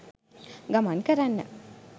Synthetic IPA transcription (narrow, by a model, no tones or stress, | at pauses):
ɡamankəɾanːə̰